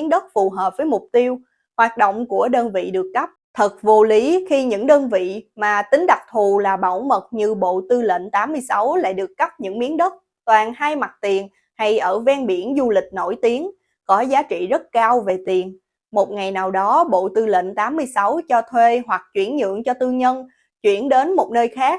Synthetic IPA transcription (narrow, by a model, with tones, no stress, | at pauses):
ənɗə˦˥t̚fu˨˩ɦəː˨˩p̚vəː˨˦jmʊ˨˩k͡p̚t̪i˧əw | hwaː˨˩t̚ɗo̰˧˨wŋ͡mku˧˩əɗəː˧nvḭ˧˨ɗɨ˨˩əkːəa˦˥p̚t̪ʰə˨˩t̚vo˧li˨˦xi˧ɲɨ̰˧˥ŋɗəː˧nvḭ˧˨maː˨˩t̪ï˨˦ŋ̟ɗa˨˩k̚t̪ʰu˨˩laː˨˩ɓa̰˧˩wmə˨˩t̚ɲɨ˧ɓo̰˧˨t̪ɨ˧lḛ˧˨nt̪aː˨˦mːɨ˧əjsa˨˦wla̰ː˧˨jɗɨ˨˩əkːə˦˥p̚ɲɨ̰˧˥ŋmi˨˦ənɗə˦˥t̚ | t̪waː˨˩nhaː˧jma˨˩t̚t̪i˨˩ən | ha˧jʔəː˧˩vɛː˧nɓi˧˩ənzu˧lï˨˩k̟̚no˧˩jt̪i˨˦ən | kɔ˨˦zaː˨˦t͡ɕḭ˧˨zə˦˥t̚kaː˧wve˨˩t̪i˨˩ən | mo˨˩t̚ŋa˨˩jnaː˨˩wɗɔ˨˦ɓo̰˧˨t̪ɨ˧lḛ˧˨nt̪aː˨˦mːɨ˧əjsa˨˦wt͡ɕɔ˧t̪ʰwe˧ɦwa˨˩k̚t͡ɕwi˧˩ənɲɨ̰˧˨əŋt͡ɕɔ˧t̪ɨ˧ɲə˧n | t͡ɕwḭ˧˩ənɗe˨˦nmo˨˩t̚nəː˧jxaː˦˥k̚